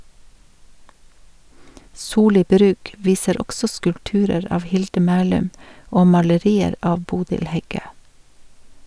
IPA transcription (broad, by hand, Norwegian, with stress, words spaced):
ˈsuːˌliː ˈbɾʉːk ˈʋiːsəɾ ˈɔɡsɔ skʉlpˈtʉːɾəɾ ˈɑːʋ ˈhɪldə ˈmæːlʉm ˈoː mɑləˈɾiːəɾ ˈɑːʋ ˈbuːdɪl ˈhɛˌɡøː